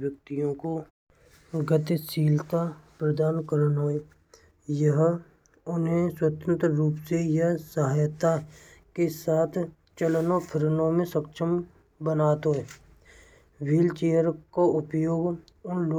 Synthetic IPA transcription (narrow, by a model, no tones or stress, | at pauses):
jək̚t̪ijõko | ɡət̪ɪsiːlt̪apɾəd̪aːnkəɾənɦoːe | jəɦ | ʊnɦẽswət̪ə̃nt̪ɾəɾuːpsejɐɦsəɦaːjt̪akesaːt̪ʰ | t͡ʃələnopʰɪɾənõmẽsəkʃʰəm | bənaːt̪ɦoe | ʋiːlt͡ʃeːjəɾkaʊpjoːɡ | ʊnlo